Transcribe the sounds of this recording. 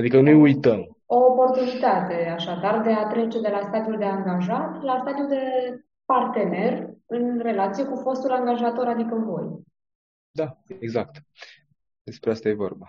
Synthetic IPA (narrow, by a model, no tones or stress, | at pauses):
ad̪ikənujujt̪əm | o̞ːpo̞rt̪unit̪at̪e̞aʃad̪ard̪e̞at̪ɾe̞t͡ʃe̞d̪e̞last̪ad̪iuld̪e̞aŋɡaʒat̪last̪ad̪iud̪e̞ | part̪e̞ne̞rɨnre̞lat̪sijekufo̞st̪ulaŋɡaʒat̪o̞ɾad̪ikəɨnvo̞̰j | d̪ajeɡzak̚t̪ | d̪̥e̞spɾeast̪aje̞vo̞̰rba